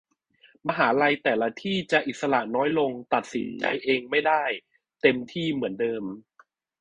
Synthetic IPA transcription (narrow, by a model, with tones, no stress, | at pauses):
ma˧ɦaː˩˦ɾa˧jt̪ɛː˨˩la˧t̪ʰiː˥˩t͡ɕa˨˩ʔi˨˩t̪̚sa˧ɾa˨˩ʔnɔː˦˥jlo˧ŋt̪a˨˩t̪̚si˨˩˦nt͡ɕa̰˧jʔeː˧ŋma˥˩jdaː˥˩j | t̪e˧mt̪ʰiː˥˩mɯ˩˦əndɤː˧m